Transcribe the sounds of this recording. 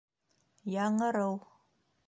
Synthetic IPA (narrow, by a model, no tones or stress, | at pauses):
jaːŋɐɾaw